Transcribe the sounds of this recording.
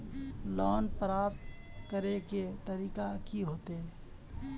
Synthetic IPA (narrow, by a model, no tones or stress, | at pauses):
lɔːnpɾaːpt̪kəɾeket̪əɾiːkakiɦoːt̪e